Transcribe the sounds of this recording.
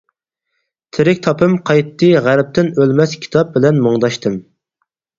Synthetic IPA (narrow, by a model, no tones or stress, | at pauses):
t̪ʰɪɾɪkʲt̪ʰɑpʰɨmqʰɑjt̪ʰːɨʁæɾp̚t̪ɪnølmɛskʲʰi̥t̪ʰɑp̚bɪlɛnmoŋd̪ɑʃt̪ʰɨm